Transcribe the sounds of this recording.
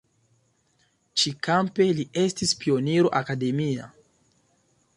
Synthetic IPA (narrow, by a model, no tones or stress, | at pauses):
t͡ʃikampe̞lie̞stispio̞niɾo̞ʔakade̞mia̰